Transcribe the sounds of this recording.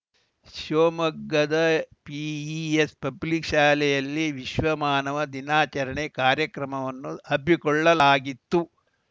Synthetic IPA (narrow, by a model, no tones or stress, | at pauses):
ʃoːmɐɡːɐd̪ɐpiiespɐblikʃaːlɛjɐlːiʋiʃʋɐmaːnɐʋɐd̪inaːt͡ʃɐɾɐɳekaːɾjɐkɾɐmɐʋɐnːuɐbʱikɔɭːɐlaːɡit̪ːu